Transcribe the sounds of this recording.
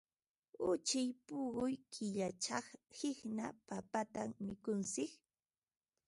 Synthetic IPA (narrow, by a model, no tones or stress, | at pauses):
ʊt͡ʃɪjpʊɢʊjkʰɪʎat͡ʃɑχhɪhnapapat̪ammɪkʊnsɪk